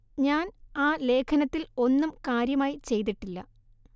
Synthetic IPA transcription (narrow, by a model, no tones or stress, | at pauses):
ɲaːnaːle̞ːkʰɐnɐt̪ːilo̞nːumkaːɾjɐmaːjit͡ɕe̞jt̪̬iʈːilːɐ